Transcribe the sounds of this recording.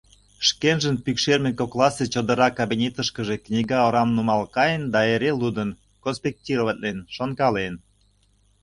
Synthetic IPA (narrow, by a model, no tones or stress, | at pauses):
ʃkenʒənpykʃermʲekoklˠɑset͡ɕod̪əɾɑkɑbinʲet̪əʃkəʒeknʲiɡɑoɾɑmnumɑlkɑjənd̪ɑeɾelud̪ən | konspʲek̚tʲiɾoβət̪̚lenʃonkɑlen